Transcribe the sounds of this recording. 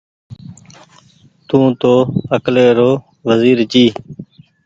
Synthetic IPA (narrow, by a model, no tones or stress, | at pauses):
t̪ũːt̪oːəkleːɾoː | ʋəziːɾt͡ʃiː